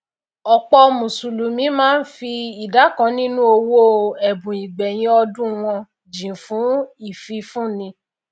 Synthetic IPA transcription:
ɔ˨k͡pɔ˧mũ˨su˨lu˨mĩ˨˦mãː˦˧n̩˦fi˧i˨da˨˦kã˨˦nĩ˦nũ˦o˧wo˦ɛ˨bũ˨i˨ɡ͡bɛ˨j̃ĩ˧˦ɔ˧dũ˦w̃ɔ̃˧ | d͡ʒĩ˨fũ˨˦i˦˨fi˧fũ˦˨nĩ˧˦

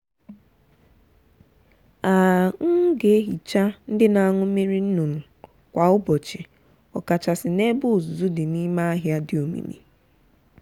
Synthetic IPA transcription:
a˨ŋ̩˦ɡe˨˦ɦi˨t͡ʃa˦n̩˦dɪ˦na˨ŋʊ˦me˦ɾi˦n̩˦nu˨nʊ˨ | kʷa˨ʊ˦bɔ˨t͡ʃɪ˨ | ɔ˨ka˨t͡ʃa˨sɪ˨ne˦bʊ˦˨zu˨zu˦dɪ˨ni˦ma˦a˦ɦja˦dɪ˨o˨mḭ˨mḭ˨

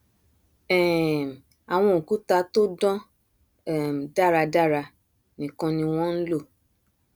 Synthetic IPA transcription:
ɛ˨m˨ | a˨w̃ɔ̃˧o˨ku˦ta˧to˦dɔ̃˦ | ɛ˦˨m˨da˦˨ɾa˧da˦˨ɾa˧ | nĩ˨kɔ̃˧nĩ˧w̃ɔ̃˦n̩˦lo˦˨

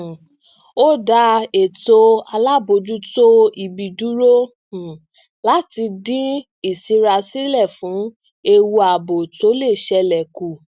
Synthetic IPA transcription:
o˦da˧˦e˨to˧a˧la˦bo˧d͡ʒu˦to˦i˧bi˧du˦ɾo˦˨ | la˦ti˧dĩ˦ | i˦˨si˧ɾa˧si˦lɛ˦˨fũ˨˦ | e˧wu˧a˨bo˨to˨˦le˦˨ʃɛ˧lɛ˨ku˨

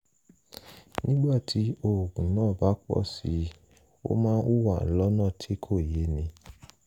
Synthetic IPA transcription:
nĩ˦ɡ͡ba˦˨tʰi˨˦o˦˨ɡũ˨nãː˦˨ba˨˦k͡pɔ̰˦˨si˧˦ | o̰˦mãː˦u˦wa˦˨lɔ˨˦nã˦˨tʰe˦kʰo˦˨je˨˦nĩ˧

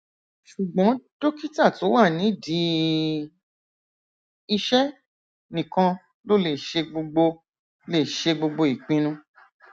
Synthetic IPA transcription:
ʃu˨ɡ͡bɔ̃˨˦d̥o˦ki˦ta˦˨to˨˦wa˦˨nĩ˨˦di˨˦ | i˧ʃɛ˦ | nĩ˨kã˧ | lo˦le˦˨ʃe˧ɡ͡bo˧ɡ͡bo˧ | le˦˨ʃe˧ɡ͡bo˧ɡ͡bo˧i˨k͡pĩ˧nũ˧

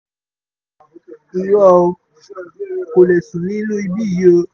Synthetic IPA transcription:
i˨jɔ˦˧ | ko˨le˨sũ˨nĩ˦lũ˦i˧bi˦˨jo˧

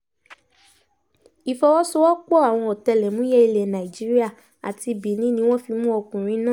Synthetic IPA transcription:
i˨fɔ˧wɔ˦so˧˦wɔ˦k͡pɔ˦˨a˨w̃ɔ̃˧ɔ˨tɛ˧lɛ˨mũ˨˦jɛ˦i˧le˨nã˨i˨d͡ʒi˨˦ɾi˦a˦˨ | a̰˨ti˧bi˨˦nĩ˨˦nĩ˧˦w̃ɔ̃˦fi˧mũ˦ɔ˧kũ˨ɾ̃ĩ˧˦nãː˦˨

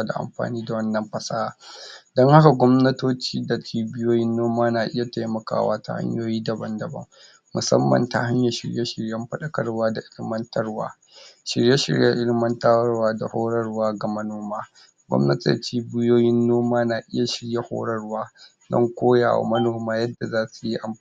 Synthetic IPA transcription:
a˦da̰˨ʔa̰˨mɸa̰ː˨niː˦da˨wɐ˦nːɐ˨mɸɐ˨saː˦˨dɐ˦ŋha˦ka˨ɡʷɔ˦mnɐ˦toː˦t͡ʃiː˦da˨t͡ʃʰiː˦bɪ˦joː˦jɪ˦nːoː˦maː˦naː˨ʔɪ˦ja˨ta˦jmɐ˨ka̰ː˦wa̰ː˦ta̰˦ha̰˦ɲjoː˦jiː˦dɐ˨bɐ˦ndɐ˨bɐ̰˦ŋ | mʊ˨sɐ̰˦mːɐ̰˨nta̰˦ha˦ɲja˨ʃɪ˨ɽje˦ʃɪ˨ɽjɐ˦mɸɐ˦ɗɐ˨kɐ˦rwaː˦da˨ʔɪ˦lɪ˦mɐ˦ntɐ˦rwa̰ː˦ | ʃɪ˨ɽje˦ʃɪ̰˨ɽja˦ʔɪ˦lɪ˦mɐ˦nta˦wɐ˦rwaː˦da˨hoː˦ɽɐ˦rwaː˦ɡa˨mɐ˦noː˦maː˦ | ɡʷɔ̰˦mnɐ˦tḛ˨t͡ʃiː˦bɪ˦joː˦jɪ˦nːoː˦maː˦naː˨ʔɪ˦ja˨ʃɪ˨ɽje˦ho̰ː˦ɽɐ˦rwaː˦ | dɔ̰˦ŋkʷoː˦ja̰ː˨wa̰˨mɐ˦noː˨maː˦jɐ˦dːa˨zaː˦su˨ji˦ʔa˨m

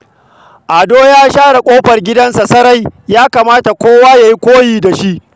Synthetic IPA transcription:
ʔa˨doː˦jaː˦ʃaː˦ɽa˨kʷʼoː˦ɸɐ˨rɡʲɪ˦dɐ˦nsa˨sɐ˦ɾa˦jjaː˦kaː˨maː˦ta˨kʷoː˦waː˦ja˨ji˦kʷoː˦jiː˨da˨ʃi˦ʔ

